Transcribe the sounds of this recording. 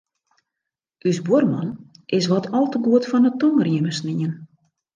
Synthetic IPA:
ʔysbormɔnʔɪs̬ʋɔtʰɔlˠtəɡuətfɔnətɔŋərjɪməsniən

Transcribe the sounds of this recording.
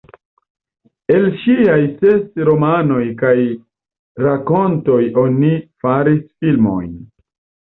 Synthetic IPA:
e̞lʃiajsesɾo̞mano̞jkaj | ɾako̞nto̞jo̞nifaɾisfilmo̞̰jn

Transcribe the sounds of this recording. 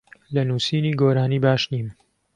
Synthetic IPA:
lɐnuːsiːniːɡoːɾaːniːbaːʃniːm

